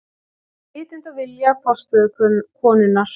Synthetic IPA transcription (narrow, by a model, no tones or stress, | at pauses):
ɪːt̪ɪnt̪avɪljapʰɔ̥st̪ʏðʏkʰʏnkʰɔːnʏnːaɾ̥